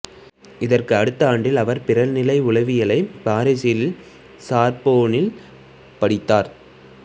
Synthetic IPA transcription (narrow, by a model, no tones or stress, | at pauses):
ɪðɐrkɯɐɽɯt̪ːɐaːɳɖɪlɐʋɐɾpɪɾɐlnɪlɐɪʊɭɐʋɪjɐlɐɪbaːɾɐsɪlɪl | saːɾpoːnɪl | pɐɽɪt̪ːaːɾ